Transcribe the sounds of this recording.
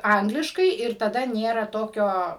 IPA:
ˈɐŋɡlʲɪʃkɐɪ ɪr tɐˈdɐ ˈnʲeːrɐ ˈtoːkʲoː

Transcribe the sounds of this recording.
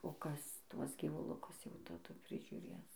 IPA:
oː ˈkɐs ˈtuɔs ɡʲiːʋʊˈlˠʊkʊs jɛʊ tɐˈdʊ pʲrʲɪʒʲʊˈrʲeːs

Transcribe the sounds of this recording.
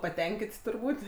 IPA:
pɐˈtʲɛŋʲkʲɪtʲ tʊrˈbuːtʲ

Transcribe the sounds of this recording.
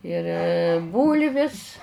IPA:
ɪr ˈbuːlʲʋʲɪs

